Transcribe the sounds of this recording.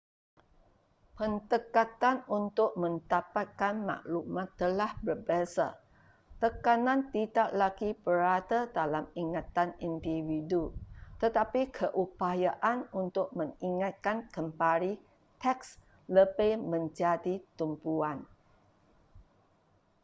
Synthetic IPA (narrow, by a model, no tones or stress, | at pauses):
pənt̪əkat̪anunt̪ʊk̚mə̃nt̪apat̪̚kanma̰ʔlumãt̪ːəlahbərbesa | t̪əkanãnt̪idaʔlaɡibəɾat̪ədalamiŋat̪anindividut̪ət̪apikʰəʔupajaʔanunt̪ʊk̚mə̃ŋiŋat̪̚kankəmpaɾi | t̪ɛks | ləbajmə̃ɲd͡ʒadit̪umpuan